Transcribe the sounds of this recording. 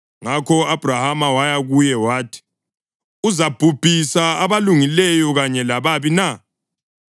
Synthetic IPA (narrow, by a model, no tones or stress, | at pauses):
ŋakʰɔab̥ʱrahamawajaɣujɛwaːtʰi̥ | uzab̥ʱub̥ʱisaaβaluŋilɛjɔɣaɲɛlaβaβina